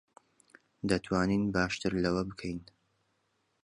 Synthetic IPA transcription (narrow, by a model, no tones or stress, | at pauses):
d̪ɐt̪ʰwaːniːnbaːʃt̪ɨɾlɐwɐbɨkʰɛjn